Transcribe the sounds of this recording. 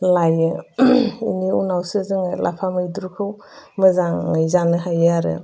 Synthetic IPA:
lajɯ | ḭniunawsɯzɯŋlʔa̰pʰamɯjduɾukʰɯw | mɯzaŋɯjzanɯɦajɯaɾɯ̰

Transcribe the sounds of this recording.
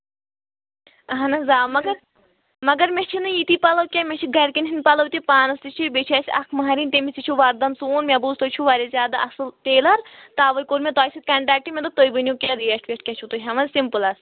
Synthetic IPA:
ɐɦɐnɐzaːmɐɡɐɾ | mɐɡɐɾmʲet͡ʃʰinɨjit̪ipɐlɐwkʲemet͡ʃʰiɡɐɾkinɦinpɐlɐwt̪ipaːnɐst̪it͡ʃʰibet͡ʃʰɐːsʲɐkʰmɐɦɐɾint̪emisit͡ʃʰuʋaːɾd̪ɐnsoːnmʲebuzt̪ot͡ʃʰuʋaːɾʲizʲjaːd̪aʔɐsɨlt̪eːlɐɾt̪aːʋɐjkoɾmʲẽt̪aːjsit̪̚ʲkɐɳʈɾaːk̚ʈimʲẽt̪ot̪ojbɨnjukʲɛɾijeʂʈʋʲeʂʈ̚kʲɐt͡ʃʰut̪uɦɐmɐzsimpɨlɐs

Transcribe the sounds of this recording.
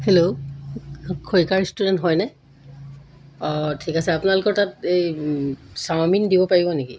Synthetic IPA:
helo | kʰojkaɹstudɛntɦɔjnɛ | ɔtʰikasɛapʊnalʊkɔɹtatej | sawmindibɔpaɹibɔneki

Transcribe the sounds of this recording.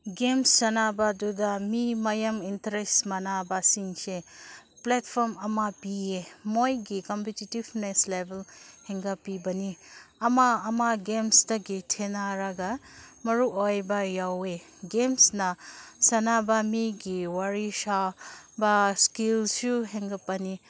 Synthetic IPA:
ɡemsːɐnabadudɐmimɐjɐmintɐɾestmɐnabɐsiŋse | plet̚pʰɔɾmɐmapiemojɡikɔmpetitibneslebʱelheŋɡɐpibɐniɐmaːmaɡemstɐɡitʰenaɾaɡɐmɐɾuʔojbɐjawe | ɡemsnɐsɐnabɐmiɡiwaɾisabɐskilsuɦeŋɡɐpːɐni

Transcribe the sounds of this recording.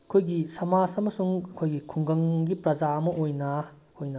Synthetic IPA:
ɐkʰojɡisɐmasɐmɐsuŋɐkʰojɡikʰuŋɡɐŋɡipɾɐd͡ʒaɐmɐʔojnɐ | hojnɐ

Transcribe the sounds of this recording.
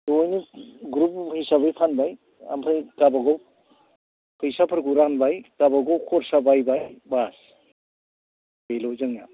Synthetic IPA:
dɔjniɡɾup̚hisabɯjpʰanbaj | a̰mpʰɯjkabaɡɔw | pʰɯjsapʰɯɾɡuɾanbajkabaɡɔwkʰɔɾsabajbajbas | bejlɔwzɯŋja

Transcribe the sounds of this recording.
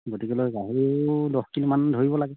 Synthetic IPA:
ɡotikɛlojɡaɦiɹidɔxkinimandʱoɹibɔlaɡɛ

